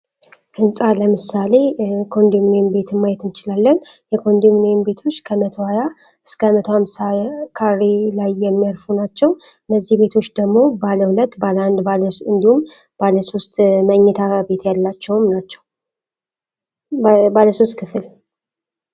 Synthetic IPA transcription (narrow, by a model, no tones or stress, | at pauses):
ʔɨnsʼaləmɨsale̞kʰond̪umnejnbe̞t̪ʰɨmmajɛt̪ɨnt͡ʃɪlalːənjɛkʰo̞nd̪umnejnbe̞t̪ʰo̞t͡ʃːkʰəmət̪ʰohaja | ɨskʰəmət̪ʰohamsakʰarːelajːɛmːijaɾfunat͡ʃːɛw | ɨnːəzːihbe̞t̪ʰo̞t͡ʃːd̪əɡmo̞baləhulət̪ːbaləand̪balɨnd̪ihum | baləso̞st̪məɲːɛt̪ʰabe̞t̪jalːat͡ʃːɛwmnat͡ʃːɛw | baləso̞st̪̚kʰɨfɨl